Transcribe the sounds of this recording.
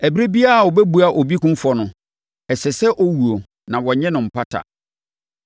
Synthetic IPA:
æ˨bi˦ɾe˦bi˦a˦˨wɔ˨bɛ˦bu˨a˨ʔɔ˨bi˦kʊ̃˦m̩˦fɔ˨nʊ̃˨ | ɛ˨sɛ˨sɛ˦ʔɔ˦wu˨o˨ | nã˨wɔ˨ɲɛ̃˦nʊ̃˨m̩˨pa˦tʰa̰˨

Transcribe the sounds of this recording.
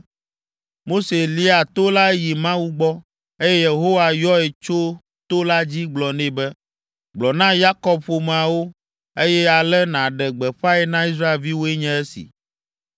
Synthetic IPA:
mo˦se˨li˦a˨t̪o˦la˦ji˨mã˦wu˦ɡ͡bɔ˦ | e˦jɛ˦je˨ɦo˦wa˨jɔ˦ɛ˨t͡ʃo˦ | t̪o˦la˦d͡ʑi˦ɡ͡blɔ˨nẽ˦bɛ˦ | ɡ͡blɔ˨nã˦ja˦kɔ˦b̚ɸo˨m˨a˨wo˦ | e˦jɛ˦a˨lɛ˦nã˨ɖɛ˨ɡ͡bɛ˨ɸa˦ɛ˦nã˦i˦s̬ɾa˦e˨lvi˦wo˦ɛ˦ɲɛ̃˦ɛ˦sḭ˨

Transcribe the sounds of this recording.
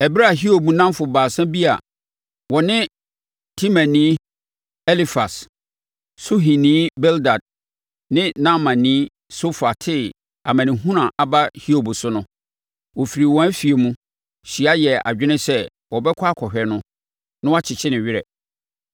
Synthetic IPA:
ɛ˨bɾa˦a˨ɦi˦o˨bu˨nã˦m˦fʊ˨baː˨sã˦bi˦a̰˨ | wɔ˨nɪ̃˦ | tʰĩ˦mã˨nĩː˦ | ɛ˦li˦fa˨s | sʊ˦ɦĩ˨nĩː˦bɛ˦lda˨d̚ | nɪ̃˦nã˦mã˨nĩː˦ | so˦fa˨tʰɪ˦ | a̰˨mã˨nɪ̃˨ɦũ˦ɾã˨ʔa˨ba˦hi˦o˨bsʊ˦nʊ̃˦ | wɔ˨fi˨ɾi˨wɔ̃˨æ˦fi˨e˨mũ˦ | ɕi˨a˦jɛ˨a̰˨d͡ʑᶣɪ˦nɪ̃˦sɛ˦ | wɔ˨bɛ˦kʰa˦kʰɔ˨ɦᶣɛ˨nʊ̃˦ | nʊ̃˦wa˦t͡ɕʰɪ˨t͡ɕʰɪ˦nɪ̃˨ɥɪ˦ɾɛ̰˨

